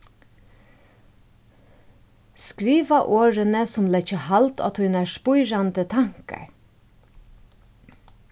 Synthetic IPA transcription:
skɹiːʋɑʔoːɹənəsɔmlɛçəhɑlt̪ʰɑ̰t̪hʉnæːʃpʊʏɹɑnd̪ət̪ʰɑŋkə̰ɹ

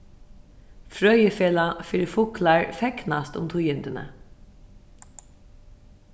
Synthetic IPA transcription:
fɹœʏəfeːlɑfɪɾfʊklɑɹfɛknɑst̪ʊ̰mt̪ʰuːjʏnd̪ənə̰

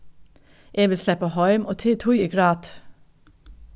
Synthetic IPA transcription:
ʔeːʋɪlslɛpəhɑʏmʔoːt̪ʰeːt̪ʰujiːɡɹɑːd̪̥

